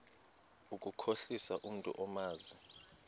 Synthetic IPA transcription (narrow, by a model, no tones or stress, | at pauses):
ukʼukʰoɬisaʔum̩tʼṵʔɔmaːzi